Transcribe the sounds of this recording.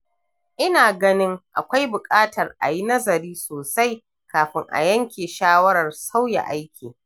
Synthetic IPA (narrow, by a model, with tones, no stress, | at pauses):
ʔɪ˦naː˨ɡɐ˦nɪ˦ŋʔa̰˨kʷa˦jbʊ˨kʼaː˦tɐ˨rʔa̰˨ji˦nɐ˦zɐ˨ɾiː˦soː˨sa˦j | kaː˨ɸɪ˦ŋʔa̰˨jɐ˦ŋkʲeː˨ʃaː˦wɐ˦ɾɐ˨rsa˦wja̰˨ʔa˦jkʲʰiː˨